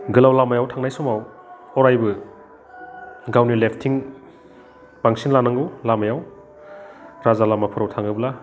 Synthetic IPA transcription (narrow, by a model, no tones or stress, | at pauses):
ɡɯlawlamajawtʰaŋnajsɔmaw | ɔɾajbɯ | ɡawnilepʰtʰiŋ | baŋsinlanaŋɯwlamajaw | ɾazalamapʰɯɾawtʰaŋɯbɯla